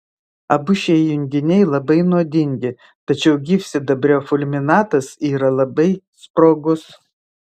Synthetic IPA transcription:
ɐbʊʃʲɛjʊŋʲɡʲɪnʲɛɪlˠɐbɐɪnuɔd̪ʲɪŋʲɡʲɪ | t̪ɐt͡ʃʲɛʊɡʲɪfʲsʲɪd̪ɐbʲɾʲoːfʊlʲmʲɪnɑːt̪ɐsiːɾɐlˠɐbɐɪ | spɾoːɡʊs

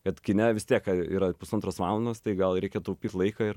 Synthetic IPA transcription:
kɐt̪kʲɪnʲɛʋʲɪst̪ʲiɛkɐiːɾɐpʊsɐnt̪ɾoːsʋɑːlˠɐnd̪oːst̪ɐɪɡɐlˠɾʲɛɪkʲɛt̪oʊpʲiːt̪ʲlˠɐɪkɐɪɾ

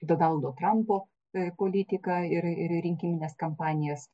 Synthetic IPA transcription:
d̪oːnɐlˠd̪oːt̪ɾɐmpoː | poːlʲit̪ʲɪkɐɪɾɪɾɾʲɪŋʲkʲimʲɪnʲeːskɐmpɑːnʲɪjɛs

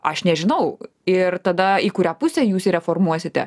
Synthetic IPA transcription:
ɐʃnʲɛʒʲɪnɐʊ | ɪrt̪ɐd̪ɐiːkʊɾʲæːpʊsʲɛjuːsiɾʲɛfoɾmuɔsʲɪt̪ʲɛ̰

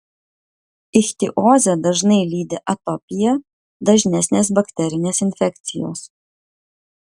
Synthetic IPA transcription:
ɪxʲt̪ʲɪʔoːzʲɛd̪ɐʒnɐɪlʲiːd̪ʲeʔɐt̪ɔpʲɪjɛ | d̪ɐʒʲnʲɛsʲnʲeːsbɐkʲt̪ʲɛɾʲɪnʲeːsɪnʲfʲɛk̚ʲt̪sʲɪjo̰ːs

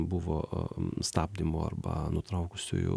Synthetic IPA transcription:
bʊʋo̰ːst̪ɑːb̚ʲd̪ʲɪmo̰ːɐ̰rbɐ̰nʊt̪ɾɐʊkʊsʲʊ̰jʊ̰

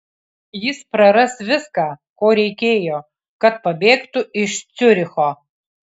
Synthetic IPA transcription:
jɪspɾɐɾɐsvʲɪskaːkoːɾʲɛɪkʲeːjo | kɐt̪̚pɐbʲeːkt̪uʔɪʃt͡sʊɾʲɪxɔ

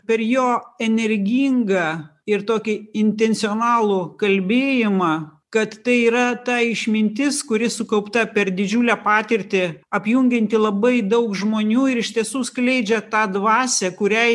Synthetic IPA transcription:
pʲɛrjoːɛnʲɛɾʲɡʲiŋɡɑːɪrt̪oːkʲɪɪnʲt̪ʲɛnʲsʲɪoːnɑːlˠʊkɐlʲbʲeːjɪmɑkɐt̪t̪ɐɪiːɾɐt̪ɑːɪʃʲmʲɪnʲt̪ʲɪskʊɾʲɪsʊkɐʊpt̪ɐpʲɛrd̪ʲɪd͡ʒʲuːlʲæːpɑːt̪ʲɪɾʲt̪ʲɪɐpʲjʊŋʲɡʲɛnʲt̪ʲɪlˠɐbɐɪd̪ɐʊkʒmoːnʲuːɪɾɪʃʲt̪ʲiɛsuːsklʲɛɪd͡ʒʲɛt̪ɑːd̪ʋɑːsʲɛkʊɾʲɛɪ

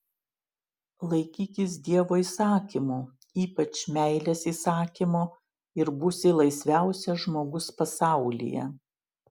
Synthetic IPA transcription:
lˠɐɪkʲiːkʲɪs̬d̪ʲiɛʋoːiːsɑːkʲimu | iːpɐt͡ʃmʲæˑɪlʲɛsiːsɑːkʲimoː | ɪɾbʊsʲɪlˠɐɪsʲʋʲæˑʊsʲɛʒmoːɡʊspɐsɑˑʊlʲḭjɛ̰

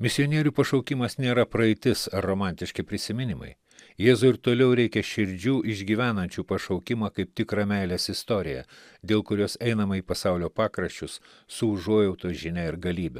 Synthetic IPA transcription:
mʲɪsʲɪɔnʲiɛɾʲuːpɐʃɐʊkʲɪmɐsnʲeːɾɐpɾɐɛɪt̪ʲɪsɐɾːoːmɑˑnʲt̪ʲɪʃʲkʲɪpʲɾʲɪsʲɪmʲɪnʲɪmɐ̰ɪ | jeːzʊɪɾt̪oːlʲɛʊɾʲɛɪkʲɛʃʲɪɾʲd͡ʒʲuːʔɪʒʲɡʲiːʋʲæːnɐnʲt͡ʃʲuːpɐʃɐʊkʲɪmɑːkɐɪp̚t̪ʲɪkɾɑːmʲɛɪlʲeːsɪst̪ɔɾʲɪjɛ̰ | d̪ʲeːlˠkʊɾʲoːsɛɪnɐmɐiːpɐsɑʊlʲoːpɑːkɾɐʃʲt͡ʃʲʊs | sʊʊʒuɔjɛʊt̪oːʒʲɪnʲɛɪɾɡɐlʲiːbʲɛ

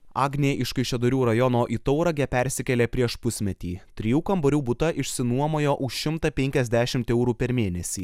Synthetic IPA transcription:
ɑːɡnʲeʔɪʃkɐɪʃʲod̪ʊɾʲuːɾɐjɔnoːʔiːt̪ɔʊɾɐɡʲɛpʲɛɾʲsʲɪkʲɛlʲeːpʲɾʲiɛʃpʊsʲmʲɛt̪ʲiːt̪ʲɾʲijuːkɐmboɾʲuːbʊt̪ɐʔɪʃʲsʲɪnuɔmoːjoːʔʊʃʃʲɪmt̪ɐpʲɛŋʲkʲɛzʲd̪ʲæːʃʲɪmt̪ɛʊɾuːpʲɛɾmʲeːnʲɛsʲiː

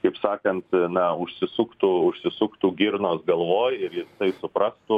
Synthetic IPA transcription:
kɐɪpsɑːkɐnt̪nɐʊʃʲsʲɪsʊkt̪uːʊʃʲsʲɪsʊkt̪uːɡʲɪɾnoːsɡɐlˠʋoːjɪɾjɪst̪ɐɪsʊpɾɐst̪ʊ

